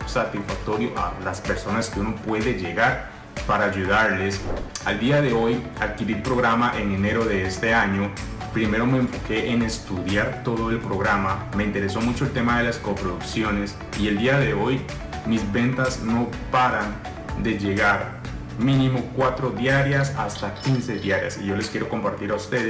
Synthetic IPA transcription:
sat̪isfak̚t̪o̞ɾjo̞ʔa̰laspe̞ɾso̞naske̞uno̞pwe̞ðe̞ʝe̞ɣaɾ | paɾaːʝuðaɾle̞sa̰ld̪iaðe̞o̞j | aðkiɾilpɾo̞ɣɾamaʔe̞ŋe̞ne̞ɾo̞ðe̞est̪e̞aɲo̞ | pɾime̞ɾo̞me̞ːɱfo̞ke̞ʔene̞st̪uðjaɾt̪o̞ðo̞e̞lpɾo̞ɣɾama | me̞int̪e̞ɾe̞so̞mut͡ʃo̞elt̪e̞maðe̞laskopɾoðuksjo̞ne̞s | ie̞ld̪iaðe̞o̞j | mizβe̞nt̪azno̞paɾan | d̪e̞ʝe̞ɣaɾ | minimo̞kwat̪ɾo̞ðjaɾjasa̰st̪akinse̞ðjaɾja̰siʝo̞le̞skje̞ɾo̞ko̞mpaɾt̪iɾaust̪eðe

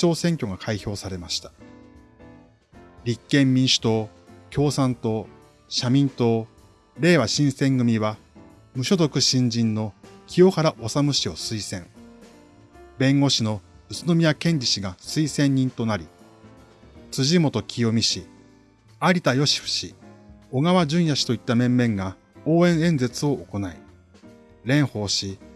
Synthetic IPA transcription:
t͡ɕo̞ːsẽ̞ŋkʲo̞ɡakʰaiço̞ːsaɾe̞maɕi̥t̪ḁ | ɾʲikːẽ̞mːʲĩɰ̃ɕɨ̥t̪o̞ː | kʲo̞ːsãnt̪o̞ | ɕamʲĩnt̪o̞ː | ɾe̞ːβaɕĩɰ̃sẽ̞ŋɡɯ̟mʲiβa | mɯ̟ɕo̞d̪o̞kɯ̟ɕĩɲ̟d͡ʑĩnːo̞kʲijo̞haɾaʔo̞samɯ̟ɕio̞sɨisẽ̞ŋ | bẽ̞ŋɡo̞ɕino̞ɯ̟t͡sɨno̞mʲijakẽ̞ɲdʲiɕiɡasɨisẽ̞ɲ̟ːĩnt̪o̞naɾʲi | t͡sɨʑimo̞t̪o̞kʲʰijomʲiɕi | aɾʲit̪ajo̞ɕi̥ɸɯ̟̥ɕio̞ɡaβad͡ʑɨ̃ɰ̃jaɕi̥t̪o̞it̪ːamẽ̞mːẽ̞ŋɡa | o̞ːẽ̞ɰ̃ẽ̞nd͡ze̞t͡sɨo̞ʔːko̞nai | ɾẽ̞ɰ̃ho̞ːɕi

